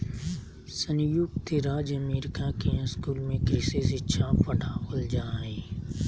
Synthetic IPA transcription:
sənjʊɡt̪ʰeɾaːd͡ʒəmeːɾɪkakeskuːlmẽkɾɪsestːʃʰapəɽaɦold͡ʒaːɦeː

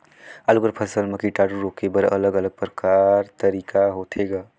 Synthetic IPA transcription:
alukəɾpʰəsəlməkiʈaːɖuɾoːkebəɾə̰ləɡələɡ̚pɾəkaːɾt̪əɾiːkʰaɦoːt̪ʰeɡaː

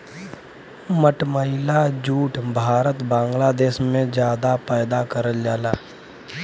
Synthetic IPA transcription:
məʈməɦɪlad͡ʒuːʈbʱaːɾət̪bãːŋɡlaːd̪eːʃmẽd͡ʒjaːd̪apɛːd̪akəɾəld͡ʒaːlaː

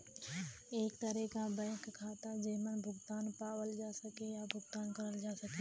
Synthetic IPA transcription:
eːkt̪ɐɾɛkabɛ̃ːkkʰːaːt̪ad͡ʒemənbʱʊɡt̪aːnpaːwəld͡ʒaːsɐkejabʱʊɡt̪aːnkɐɾəld͡ʒaːsɐkeː

